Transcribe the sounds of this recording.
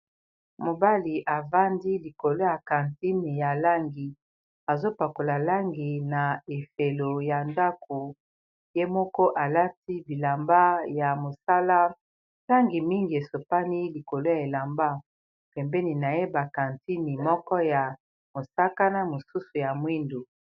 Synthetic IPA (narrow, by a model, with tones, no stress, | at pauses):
mo˨ba˦li˨ʔa˨va˦ndi˦li˨ko˨lo˦ja˨ka˨nti˦ni˨ja˨la˦ŋɡi˨ | a˨zo˦pa˨ko˨la˨la˦ŋɡi˨na˨e˨fe˨lo˨ja˨nda˦ko˨ | je˦mɔ˦kɔ˦ʔa˨la˦ti˦bi˨la˨mba˦ja˨mo˨sa˦la˦ | ta˦ŋɡi˨mi˦ŋɡi˨e˨so˨pa˦ni˦li˨ko˨lo˦ja˨e˨la˨mba˦ | pɛ˨mbɛ˦ni˨na˨je˦ba˨ka˨nti˦ni˨mɔ˦kɔ˦ja˨ | mo˨sa˦ka˦na˦mo˨su˦su˨ja˨mwi˦ndo˨